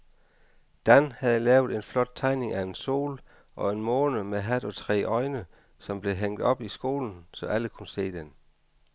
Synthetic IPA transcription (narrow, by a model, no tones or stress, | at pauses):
d̥ænhæð̩ˠəlɛːʊð̞ˠe̝nflɒ̽d̥̚t͡sʰɑ̈ɪne̝ŋæe̝nso̝̰ːl | ʔɒ̽e̝nmɔːnəmeɦæd̥ɒ̽t͡sʰʁɛ̰ːʔɒ̽ɪnə | sɒ̽mb̥le̝ɦeŋ̰d̥ɒ̽b̥isɡ̥o̝̰ːln̩sɒ̽ʔæləkʰunəse̝̰ːd̥en